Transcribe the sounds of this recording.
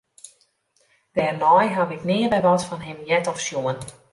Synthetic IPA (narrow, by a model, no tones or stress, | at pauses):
d̥ɛrnɔjɦaʋɪknɪəbɛjʋɔtfɔnɦɪmjɛtɔfsjuən